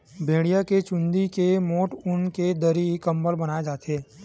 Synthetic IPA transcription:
bʱeːɽijaket͡ʃʊ̃nd̪ikemoːʈʊnked̪əɾikəmbəlbənaːed͡ʒaːt̪eː

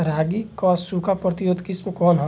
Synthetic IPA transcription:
ɾaːɡikɔːsːukʰapɾɐt̪ijoːd̪kismkɔːnɦɔ

